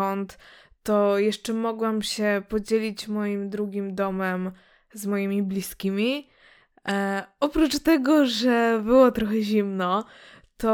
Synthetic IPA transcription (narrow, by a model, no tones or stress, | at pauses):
ɔnt̪ː | ɔjɛʂt͡ʂɛmɔɡwamɕɛpɔd͡ʑelʲit͡ɕmɔjimd̪ɾuɡʲimd̪ɔmɛm | zmɔjimʲiblʲiskʲimʲi | ɔpɾut͡ʂt̪ɛɡɔʐɛbɘwɔt̪ɾɔxɛʑimnɔ | t̪ɔ